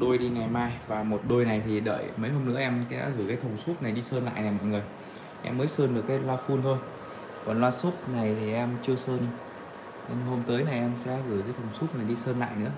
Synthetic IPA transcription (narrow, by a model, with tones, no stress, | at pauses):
ɗo˧jɗi˧ŋa˨˩jmaː˧jvaː˨˩mo˨˩t̚ɗo˧jna˨˩jt̪ʰi˨˩ɗə̰ː˧˨jmə˨˦jhɦo˧mnɨ̰˧˥ʔɛ˧mka˨˦ɣɨ˧˩jkaː˨˦jt̪ʰə˨˩wŋ͡msu˦˥t̚na˨˩jɗi˧səː˧nla̰ː˧˨jnaː˨˩mɔ̰˧˨jŋɨ˨˩əj | ʔɛ̰˧mːəː˨˦jsəː˧nɗɨ˨˩əkːaː˨˦jlaː˧fu˧nt̪ʰo˧j | kɔ˨˩nlwaː˧su˦˥t̚na˨˩jt̪ʰi˨˩ʔɛ˧mt͡ɕɨ˧əwsəː˧n | ɲɨ˧ŋho˧mt̪əː˨˦jna˨˩jʔɛ˧msɛ̰˧˥ɣɨː˧˩jkaː˨˦t̪ʰə˨˩wŋ͡msu˦˥t̚na˨˩jɗi˧səː˧nla̰ː˧˨jnɨ̰˧˥ə